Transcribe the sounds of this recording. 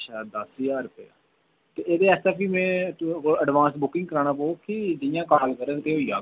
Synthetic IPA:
ʃad̪əsɪjaːɾʊpəja̰ː | t̪eːʔeːd̪eːɛːst̪aːpʰiːmɛ̃ːoəɖʋãːnsbʊkɪ̃ŋɡkəɾaːnãːpoːkɪd͡ʒɪjãːkaːlkəɾə̃t̪eːɦoijaː

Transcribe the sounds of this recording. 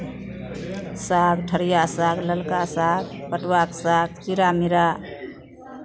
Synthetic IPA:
sakʈʰəɾjasakləlkasakpəʈwaksak̚t͡ʃiɾamiɾa

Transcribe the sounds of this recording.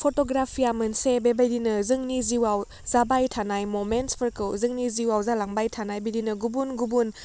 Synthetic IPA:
pʰotoɡɾapʰiamɯnsebebajdinɯzɯŋniziwaw | zabajtʰanajmomenspʰəɾkɯwzɯŋniziwawzalaŋbajtʰanajbidinɯɡubunɡubun

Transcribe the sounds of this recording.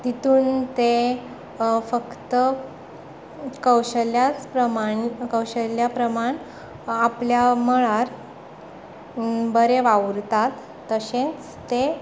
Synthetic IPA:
t̪it̪uːnt̪e | fəkt̪ə | kəwɕəljat͡spɾəmakəwɕəljapɾəmaɳ | apljaməɭaɾ | bəɾeʋaɾt̪at̪ː | əɕẽnt͡s | t̪e

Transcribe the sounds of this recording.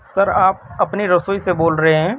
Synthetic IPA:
sɐɾaːp̚ɐpniɾɐsoːiseboːlɾɐɦeɦɛ̃ː

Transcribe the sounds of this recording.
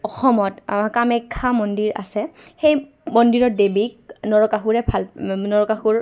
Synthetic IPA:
ɔxɔmɔtkamɛkʰːamɔndiɹa̰sɛxej | mɔndiɹɔdebik̚nɔɹɔkaxuɹɛbʱalnɔɹɔkaxuɹ

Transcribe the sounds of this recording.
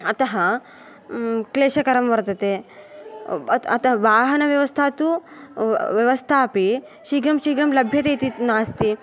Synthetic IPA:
ɐt̪ɐɦɐ | kleːɕɐkɐɾɐmʋɐɾt̪ɐt̪e | ɐt̪ɐɦʋaːɦɐnɐʋjɐʋɐst̪ʰat̪u | ʋjɐʋɐst̪ʰaːpi | ɕiːɡɾɐmɕiːɡɾɐmlɐbʱjɐt̪ejt̪inaːst̪i

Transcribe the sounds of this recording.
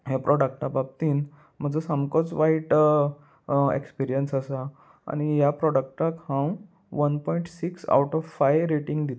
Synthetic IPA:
ɦapɾʔɔɽək̚ʈabab̚t̪iːn | m̤əd͡zəsamkɔt͡sʋaiʈ | ḛkspiɾijənsasa̰ː | ɽ̃ijapɾɔɽək̚ʈakhãw | ʋənpɔiɳʈsiksa̰wʈɔʋfajɾeʈĩŋɡd̪it̪

